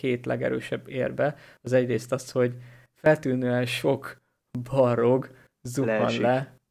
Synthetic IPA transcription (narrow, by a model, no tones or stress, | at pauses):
eːt̪lɛ̰ɡɛ̰ɾø̰ːʃɛbːeːrbɛɒzɛɟreːst̪ɒsho̞ɟ | fɛlt̪yːnøːɛnʃo̞k | bɒɾoɡ | zuɒ̰nlɛ